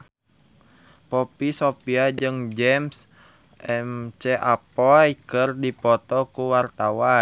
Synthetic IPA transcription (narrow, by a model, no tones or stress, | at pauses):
pɔpisopiad͡ʒɨŋd͡ʒɛms | ɛmt͡ʃɛʔapɔjkɨrdipɔt̪ɔkuwart̪awa